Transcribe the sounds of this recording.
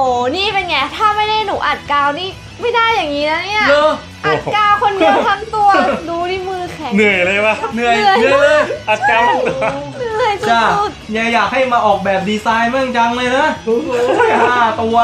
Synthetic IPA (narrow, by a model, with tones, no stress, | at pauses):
oː˨˩˦niː˥˩pe˧nŋa˧˦˩t̪ʰaː˥˩ma˥˩jda˥˩jnuː˨˩˦ʔa˨˩t̪̚kaː˧wniː˥˩ | ma˥˩jda˥˩jːaː˨˩ŋːiː˦˥na˦˥ni˥˩ɐlɤː˧˩ | ʔa˨˩kaː˧wkʰo˧nm˨˧˦k̪ʰa˧˥mt̪u˧ɐduː˧ɾiː˥˩mɯː˧kʰɛ˨˦nɯ˨˩əjlɤː˧jba˦˥nɯ˨˩əjənɯ˨˩əjlɤː˧jʔa˨˩t̪̚kaː˧nɯ˨˧˩əjsu˧t͡ɕa˥˩su˨˩t̪̚ja˧˩jaː˨˩k̚ha˥˩jmaː˧ʔɔː˨˩k̚bɛː˨˩p̚diː˧saː˧jmɯ˥˩əŋt͡ɕa˧ŋlɤː˧jna˦˥o˧˩a˥˩jɦaː˨˩t̪u˧ɐ